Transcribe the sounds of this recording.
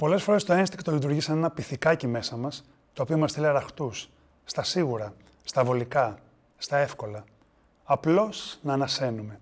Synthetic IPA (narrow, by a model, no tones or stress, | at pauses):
po̞le̞sfo̞ɾe̞st̪o̞enst̪ikt̪olit̪̬uɾʝisɐne̞nɐpiθikɐcime̞sɐmɐs | t̪o̞ːpio̞mɐst̪iliɐɾɐxt̪usː | t̪ɐsiɣuɾɐ | st̪ɐvo̞likɐ | st̪ɐe̞fko̞lɐ | ɐplo̞snɐːnɐse̞nume̞